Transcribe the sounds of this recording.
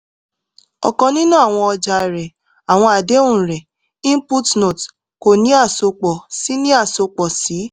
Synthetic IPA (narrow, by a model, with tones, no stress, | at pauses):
ɔ̰˨kɔ̃˨˧nĩ˦nũ˦a˨w̃ɔ̃˧ɔ˧d͡ʒa˧˨ɾɛ˨ | a˨w̃ɔ̃˧a˨de˨˦ũ˦˨ɾɛ˨ | ĩ˦m˦pu˦tno˨t | ko˨nĩ˨˦a˦˨so˧k͡pɔ˨si˨˦nĩ˦a˦˨so˧k͡pɔ˨si˨˦